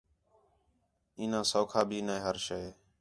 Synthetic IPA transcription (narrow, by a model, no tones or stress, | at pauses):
ĩːnãːsoːkʰaːbʱiːnaːeːɦəɾʃeː